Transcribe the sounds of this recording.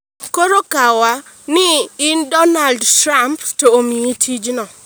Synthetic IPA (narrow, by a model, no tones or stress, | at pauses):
koɾokawa | nɪːndɔnaldtɾamptoomietʰid͡ʒnɔ